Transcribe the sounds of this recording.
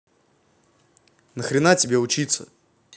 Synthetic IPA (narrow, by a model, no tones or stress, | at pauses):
nəxɾʲɪnatʲɪbʲeʊt͡ɕit̪sə̰